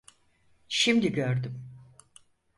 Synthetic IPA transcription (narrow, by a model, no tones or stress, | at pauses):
ʃimd̪iɟøɾd̪ym